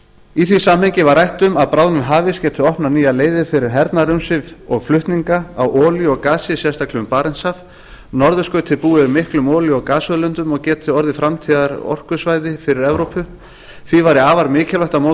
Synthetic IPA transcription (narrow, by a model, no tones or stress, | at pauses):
iθvisaːmhɛɲcɪvarajht̪ʏmaðpɾaːwnʏmɦaːvɪscɛːt̪ʏɔhpnaniːjaleːjðɪfɪɾɪɾ̥ɦɛɾt̪naɾʏmsɪvɔɣflʏht̪niŋkaawʔɔːljʏɔɣkaːsiɪsjɛst̪ʰaklɪʏmpaːɾɛnsav | nɔɾðʏskœɥt̪ʰɪpuːɪʏɾmɪhklʏmɔːljʏɔɣkaːsɔlʏnt̪ʏmɔɣcɛːt̪ʰɪɔɾðɪfɾamt̪ʰiðaɾɔ̰r̥kʏsvaːjðɪfɪɾɪɾɛvɾowpʰʏ | θvivaɾɪaːvaɾmɪːcʰɛlaht̪amoː